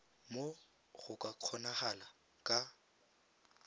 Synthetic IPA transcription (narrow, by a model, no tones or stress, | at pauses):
mo | ɣʊkʼaq͡χʰɔnaɣala | kʼa